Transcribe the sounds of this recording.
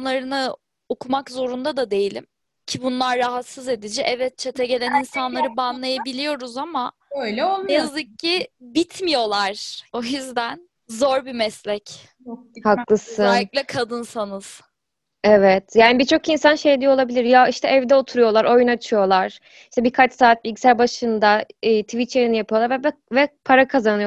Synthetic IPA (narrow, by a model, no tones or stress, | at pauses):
lˠaɾɯnɯ | okʰumakzo̞ɾund̪ad̪ad̪e̞jilʲḭm | cʰibunlˠaɾːaɦat̪sɯze̞d̪id͡ʒiʔɛvɛt̪̚t͡ʃʰet̪ʰɛɟe̞lʲæninsanlˠaɾɯbanlˠajabilʲijo̞ɾuzama | øjlʲonɛjazɯkːibit̪ʰmijo̞lˠaɾ̥o̞jyzd̪æn | zo̞ɾbimɛslʲɛc | haklˠɯsɯnclʲɛkʰad̪ɯnsanɯz̥ | ɛvɛt̪ʰjaːnibit͡ʃʰo̞kinsanʃejd̪ijolˠabilʲiɾjaiʃt̪ʰɛʔːvd̪ɛo̞t̪ʰuɾujo̞lˠaɾʔo̞junat͡ʃʰɯjo̞lˠaɾ̥ | iʃt̪ʰɛbikʰat͡ʃsaːt̪̚bicsælʲbaʃɯnd̪aɯːt̪ʰvit̪t͡ʃeɾinijapʰɯjoaɾvɛbɛvɛpʰaɾakʰazanɯjo